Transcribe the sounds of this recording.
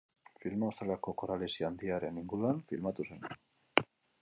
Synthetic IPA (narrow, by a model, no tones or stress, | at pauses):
filmaost̪elako̞koɾalesiand̪iaɾe̞niŋɡuɾuanfilmat̪use̞n